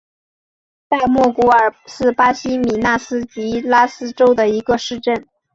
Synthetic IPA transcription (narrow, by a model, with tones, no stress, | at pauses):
t̪a˥˧ɪmwɔ˥˩ku˧˥ə˞˨˩ʂɻ̩˥˩pa˥ɕi˥mi˨˩na˥˩sɹ̩˥t͡ɕi˧˥la˥sɹ̩˥ʈ͡ʂo˥ʊd̪ə˨i˧˥ɡə˧ʂɻ̩˥˧ʈ͡ʂə˥˩n